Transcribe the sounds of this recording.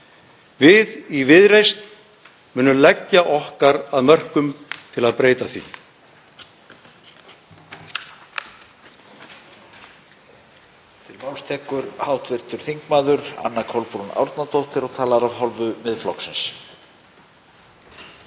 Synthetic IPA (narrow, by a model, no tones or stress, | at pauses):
vɪðivɪðɾejst̪ | mʏːnːʏmlɛcːaʔɔhkaɾaðmœr̥kʏmt̪ʰɪlaðpɾeːjt̪aθvḭ | t̪ʰɪlmawst̪ʰɛhkʏɾhaːwt̪vɪr̥t̪ʏɾ̥θiŋkmaːðʏɾa̰nːakʰɔlpɾuna̰wɾt̪nat̪owht̪ɪɾɔɣt̪ʰaːlaɾavɦɔlvʏmɪðflɔ̰ksɪns